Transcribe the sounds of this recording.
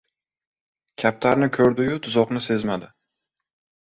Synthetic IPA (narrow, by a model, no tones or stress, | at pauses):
kʲʰap̚t̪ʰaɾnɪkʰɵɾd̪ʊjʊd̪ʰʊzɒqnɪse̞zmad̪ɪ